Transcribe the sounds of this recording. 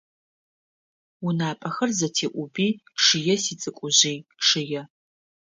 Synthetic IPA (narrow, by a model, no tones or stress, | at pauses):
unaːpʼɐxɐrzɐtʰeːʔʷʊbiː | ʂɨjɛsiːt͡sʼɨkʷʼʊʑiːʂɨjɛ